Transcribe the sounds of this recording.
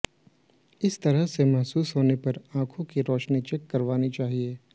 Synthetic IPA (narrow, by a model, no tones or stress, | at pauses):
ɪst̪ɐɾəɦsemɐɦsuːsɦoːnepɐɾãːkʰõkiɾɔːʃnit͡ʃɛkːɐɾʋaːnit͡ʃaːɦieː